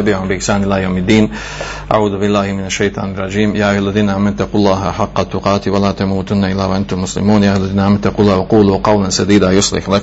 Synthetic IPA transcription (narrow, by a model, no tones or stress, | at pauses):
abɪʕʊmbɪʔɪħsaːnʔɪlaːjawmɪd̪ːiːn | ʔa̰ʕuːðʊbɪlːaːhmɪnaʃːajt̪ˤɑ̰ːnrˤːɑd͡ʒiːmjaːʔjwʔalːaðiːnaʔaːmːant̪ːaquːlˤːɑːɦʔaħɑqːɑt̪ːʊqɑːt̪walaːt̪amuːt̪ʊnːaʔɪlːaːwaʔant̪ʊmːʊslɪ̰muːnjaːʔawʔalːaðiːnaʔaːmant̪ːaquːlːɑːwɑquːluqɑwlansad̪iːd̪ajʊsˤlɪ̰ħlak